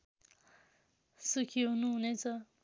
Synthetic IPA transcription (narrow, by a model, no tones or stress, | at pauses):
sukʰiɦunuɦunet͡sʰʌ